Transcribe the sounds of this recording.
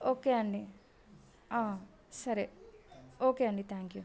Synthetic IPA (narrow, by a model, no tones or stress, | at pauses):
oːkeɐɳɖi | aː | sɐɾi | oːkeɐɳɖit̪ʰãːŋkju